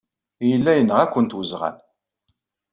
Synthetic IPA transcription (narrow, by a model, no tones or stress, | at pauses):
jəlːæjənːəʁækʷːənt̪wəzʁæ̰n